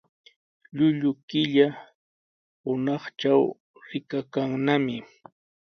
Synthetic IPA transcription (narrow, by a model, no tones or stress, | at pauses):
ʎʊʎʊkɪʎa | hʊnɑχt͡ʃaw | ɾɪkakaŋnamɪ